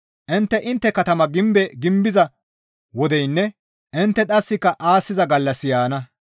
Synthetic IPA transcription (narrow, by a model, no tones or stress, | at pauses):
ʔɪnt̪ːɛʔɪnt̪ːɛkɐt̪ɐmɐɡɪmbɛɡɪmbɪzɐ | wɔd̪ɛjnːɛ | ʔɪnt̪ːɛt̪ʼɐsːɪkːɐʔaːsːɪzɐɡɐlːɐsɪjaːnɐ